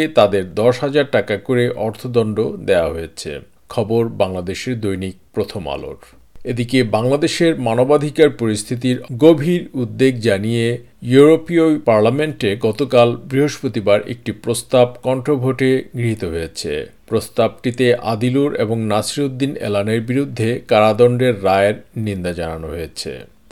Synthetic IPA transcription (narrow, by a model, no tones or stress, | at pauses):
t̪ad̪eɾd̪ɔʃɦad͡ʑaɾʈakakoɾeʔɔɾt̪ʰod̪ɔnɳɖod̪ea̰ɦojet͡ɕʰḛ | kʰɔboɾbaŋlad̪eʃeɾd̪ojnik̚pɾot̪ʰoma̰lo̰ɾ | ed̪ikebaŋlad̪eʃeɾmanobad̪ʱikaɾpoɾist̪ʰit̪̬iɾɡobʱiɾud̪ːeɡd͡ʑanije | juɾopiopaɾlameɳʈeɡɔt̪okalbɾiɦoʃpot̪ibaɾḛk̚ʈipɾost̪ab̚kɔɳʈɾobʱoʈeɡɾiɦit̪oɦojet͡ɕʰḛpɾost̪ab̚ʈit̪eʔa̰d̪iluɾḛboŋnasɾod̪ːinḛlaneɾbiɾud̪ʱːekaɾad̪ɔɳɖeɾːaeɾnind̪ad͡ʑananoɦojet͡ɕʰḛ